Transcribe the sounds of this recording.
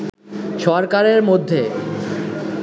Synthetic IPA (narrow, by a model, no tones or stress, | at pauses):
ʃɔɾkaɾeɾmod̪ʱːe